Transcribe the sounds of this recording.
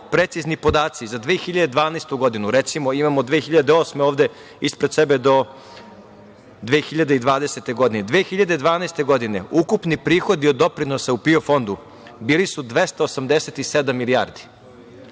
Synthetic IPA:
pɾet̪siznipo̞d̪aːt̪sizad̪ʋeːxiʎad̪ed̪ʋaːneːst̪uɡo̞d̪inuɾet̪simo̞imamod̪ʋeːxiʎad̪eo̞ːsmeoːʋd̪e̞ | ispɾed̪sebe̞d̪o̞ | d̪ʋeːxiʎad̪eid̪ʋaːd̪e̞se̞t̪e̞ɡo̞d̪ined̪ʋeːxiʎad̪ed̪ʋaːnest̪e̞ɡo̞d̪ine̞ukupnipɾiːxo̞d̪iod̪ːo̞pɾinosaupio̞fo̞nd̪u | biːlisud̪ʋe̞st̪aosamd̪eset̪ised̪amːilia̰ːɾd̪i̥

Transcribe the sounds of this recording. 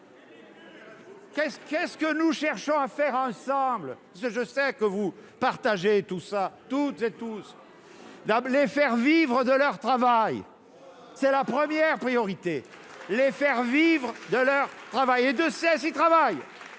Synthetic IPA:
kɛskɛskənuʃɛʁʃɔ̃afɛʁɑ̃sɑ̃bləpasəʒəsɛkəvupaʁt̪aʒet̪usat̪ut̪zet̪us | lalefɛʁvivʁəd̪əlœʁt̪χavaj | sɛlapχəmjɛʁpχijɔʁit̪e | lefɛʁvivʁəd̪əlœʁt̪χavajed̪əsɛsit̪χavaj

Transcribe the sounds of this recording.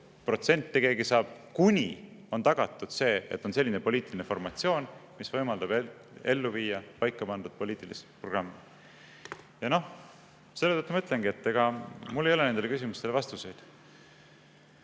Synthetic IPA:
pro̞t̪se̞nʲt̪ːeɡe̞ːɡisɑːb̥̚kunʲi | o̞nt̪ɑɡ̥ɑt̪ːˑud̪̥se̞ːḛt̪ːˑo̞nse̞lʲːine̞po̞lʲiːt̪ːˑilinefo̞rmɑt̪sio̞ːnmisvɤjmɑld̪̥ɑb | e̞lːuviːjɑpɑjkːˑɑpɑnd̪̥ud̪̥̚po̞liːt̪ːˑilispro̞ɡ̥rɑmːi | jɑno̞h | se̞lːeət̪ːumɑyt̪leŋɡie̞t̪ːeɡ̥ɑmulːejole̞ne̞nd̪ele̞kys̬ʲimust̪e̞levɑst̪use̞jd̪̥

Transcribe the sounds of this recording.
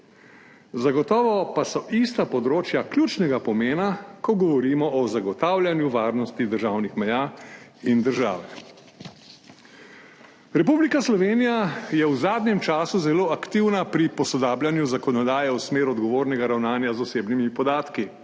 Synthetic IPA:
zaɡɔt̪ɔːʋɔpasɔʔist̪apɔd̪ɾoːt͡ʃjakljuːt͡ʃnɛɡapɔmeːnakɔɡɔʋɔɾiːmɔʔɔzaɡɔt̪aːwlʲjanjuʋaːɾnɔst̪id̪əɾʒaːwnixmɛjaːind̪əɾʒa̰ːʋɛ | ɾɛpublikaslɔʋeːnijajɛwzaːd̪njɛmt͡ʃaːsuzɛloːakt̪iwnapɾipɔsɔd̪aːbljanjuzakɔnɔd̪aːjɛusmeːɾuɔd̪ɡɔʋoːɾnɛɡaɾawnaːnjazɔseːbnimipɔd̪aːt̪ki

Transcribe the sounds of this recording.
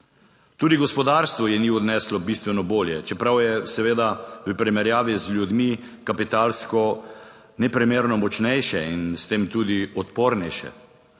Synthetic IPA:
t̪uːd̪iɡɔspɔd̪aːɾst̪ʋɔjɛniːɔd̪nɛːslɔbist̪ʋɛnɔboːljɛt͡ʃɛpɾawjɛsɛʋeːd̪aʋəpɾimɛɾjaːʋizljud̪mi | kapit̪aːlskɔ | nɛpɾimeːɾnɔmɔt͡ʃnɛjʃɛinst̪eːmt̪uːd̪iɔt̪poːɾnɛjʃɛ̰

